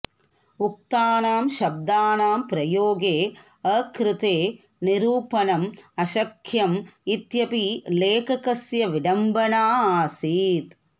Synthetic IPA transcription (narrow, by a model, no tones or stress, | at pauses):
uk̚t̪aːnaːmʃɐb̚d̪aːnaːmpɾɐjoːɡeː | ɐkɾɪt̪eː | niɾuːpɐnɐmɐʃɐkʰjɐmit̪jɐpileːkɐkɐsjɐʋiɖɐmbɐnaːsiːt̪